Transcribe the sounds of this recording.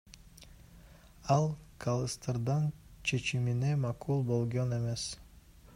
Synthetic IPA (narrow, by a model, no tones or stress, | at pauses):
ɑlˠkʰalˠɯst̪ɯɾd̪ɑnt͡ʃʰe̞t͡ʃimine̞mɑkʰulˠbo̞lˠɡo̞ne̞me̞s